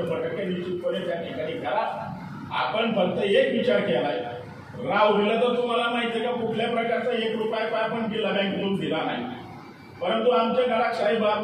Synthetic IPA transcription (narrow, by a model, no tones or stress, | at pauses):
pəʈəkːenit͡ɕit̪̚pəɽet̪jaʈʰikaɽiɡʱjala | a̰pəɳfəɡt̪əekʋit͡ɕaɾkɛlaj | ɾawʋʱilat̪əɾt̪um̤alanaɦjt̪ʰekakukʰljapɾəkaɾt͡saekɾupajpajapəɳʈilaɡjãɡʱiluːnd̪ʱilana̰ɦit̪ | pəɾənt̪uamt͡ɕaɡʱalakɕaibʱ